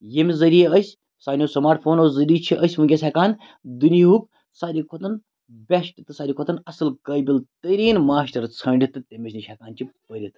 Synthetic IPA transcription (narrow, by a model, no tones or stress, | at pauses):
jemizɐɾijeəsʲ | saːnʲjoːsɐmaːɾʈfʰoːnoːzɐɾiːt͡ʃʰiʔəsʲmuɡʲesʲekaːn | d̪uniɦuk̚ | saːɾʲikʰot̪ɐn | bʲeʃʈʲit̪ɨsaːɾʲikʰot̪ɐnɐsɨlkəjbʲilt̪əɾiːnmaːʃʈɐɾt͡sʰɐːɳɖʲit̪ɨt̪emiʃʲniʃɐkaːnt͡ʃʰipəɾʲit̪ɨ